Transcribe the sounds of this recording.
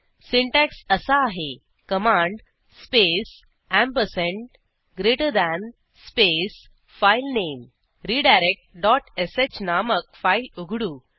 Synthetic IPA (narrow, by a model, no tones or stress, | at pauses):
siɳʈæksəsaːɦe | kəmãɳɖ | spes | æ̃mpəsẽɳʈ | ɡɾeʈəɾd̪æn | spes | failnem | ɾiɖajɾek̚ʈ̚ɖɔʈeset͡ɕnaməkfailuɡʱɽu